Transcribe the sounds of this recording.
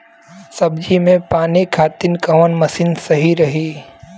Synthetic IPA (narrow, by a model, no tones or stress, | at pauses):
sɐbd͡ʒimẽpaːnikʰaːt̪ɪnkɐʋənmɐsɪnsɐɦiɾɐɦiː